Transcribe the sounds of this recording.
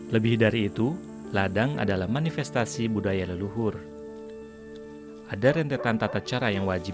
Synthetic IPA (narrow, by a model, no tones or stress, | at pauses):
ləbɪhdaɾiːt̪u | ladaŋa̰dalahmanifɛst̪asibudajaləluɦʊr | ʔadaɾɛnt̪et̪ant̪at̪at͡ʃaɾajaŋwad͡ʒi